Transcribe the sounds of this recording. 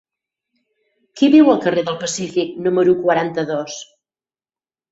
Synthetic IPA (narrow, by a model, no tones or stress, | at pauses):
kiβiwəlˠkəreðəlˠpəsifik̚numəɾukwəɾant̪əðɔs